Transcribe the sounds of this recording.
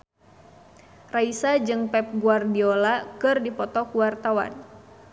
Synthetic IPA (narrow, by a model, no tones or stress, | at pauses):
raisad͡ʒɨŋpɛp̚ɡuardiolakɨrdipɔt̪ɔkuwart̪awa̰n